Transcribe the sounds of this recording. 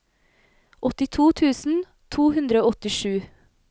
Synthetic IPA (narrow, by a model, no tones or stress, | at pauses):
ʔɔt̪ɪt̪ʰuːt̪ʰʉːsn̩ | t̪ʰuːhʉnd̪ɾəoːɔt̪ɪʃʉː